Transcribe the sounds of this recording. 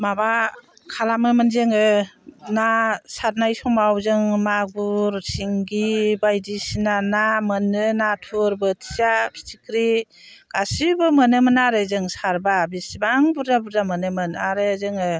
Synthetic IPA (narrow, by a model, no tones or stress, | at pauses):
maba | kʰalamɯmɯnzeŋɯnasaɾnajsɔmawzɯŋmaɡuɾsʰiŋɡibajdisinanamɯnɯnatʰuɾbɯtʰi̥zapʰi̥tʰikɾi | ɡ̥asibɯmənɯmɯnaɾezɯŋsaɾbabisibaŋbuɾdabuɾdamɯnɯmɯnaɾɯzɯŋɯ